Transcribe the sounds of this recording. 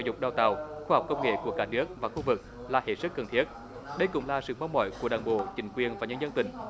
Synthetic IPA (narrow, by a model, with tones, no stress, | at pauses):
zʊ˨˩k͡p̚ɗaː˨˩wt̪a̰ː˨˩wxuː˧hwk͡p̚kə˧wŋ͡mŋḛ˧˨ku˧˩əkaː˧˥nɨ˦˥ək̚vaː˨˩xu˧vɨ˨˩k̚ | laː˨˩hḛ˧˨˩sɨ˦˥k̚ːə˨˩nt̪ʰi˦˥ət̚ | ɗə˧jkʊ̰˧˥ŋ͡mlaː˨˩sɨ̰˧˨ɓa˨˧wmɔ̰˧˦jku˧˩əɗaː˨˩ŋɓo̰˧˨t͡ɕï˧˦ŋ̟kwi˨˩ənvaː˨˩ɲə˧nzə˧nt̪ï˧˨˦ŋ̟